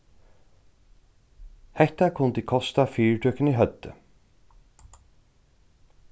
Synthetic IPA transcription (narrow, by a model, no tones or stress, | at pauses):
hɛht̪akʰʊnd̪ikʰɔst̪afyːɹʈʰœːkəniːɦœd̪̥ə̰